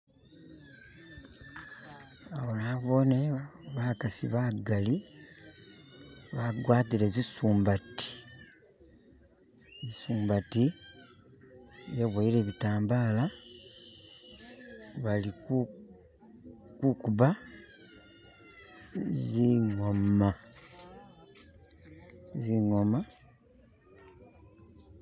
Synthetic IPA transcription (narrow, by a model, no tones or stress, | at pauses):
aβonaβoneβakasiβaɡali | βaɡwaːtilezisuːmbati̥ | zisuːmbati | jeβwaiɾeβitaːmbaːla | βalik | kukuβa | ziŋoma | ziŋoma